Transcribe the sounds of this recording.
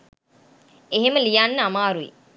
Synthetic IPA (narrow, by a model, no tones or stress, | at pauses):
eɦeməlijanːəamaːɾuḭ